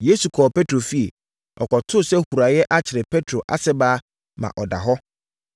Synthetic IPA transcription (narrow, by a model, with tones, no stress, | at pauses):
je˦su˨kʰɔː˨pʰe˦tʰɾo˨fi˦ɛ˨ | ɔ̰˨kʰɔ˨tʰʊ˦sɛ˦hu˨ɾa˨jɛ˦ʔa˦t͡ɕʰɪ˨ɾɪ˨pʰe˦tʰɾo˨ʔa̰˦sɛ˦baː˦ | mã̰˨ʔɔ˨da̰˨ɦɔ˦